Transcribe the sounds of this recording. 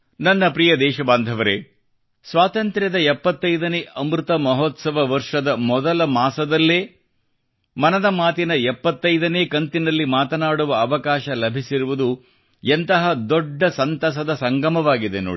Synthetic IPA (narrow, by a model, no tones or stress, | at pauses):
nɐnːɐpɾijɐd̪ɛːʃɐbaːnd̪ʱɐʋɐɾḛ | sʋaːt̪ɐnt̪ɾʲjɐd̪ɐɛpːɐt̪ːɐjd̪ɐneʔɐmɾut̪ɐmɐɦɔt̪sɐʋɐʋɐɾʂɐd̪ɐmɔd̪ɐlɐmaːsɐd̪ɐlːeː | mɐnɐd̪ɐmaːt̪inɐɛpːɐt̪ːɐjd̪ɐneːkɐnt̪inɐlːimaːt̪ɐnaːɽuʋɐːʋɐkaːʃɐlɐbʱisiɾuʋud̪u | ent̪ɐɦɐd̪ɔɖːɐsɐnt̪ɐs̬ɐd̪ɐsɐŋɡɐmɐʋaːɡid̪enoːɽi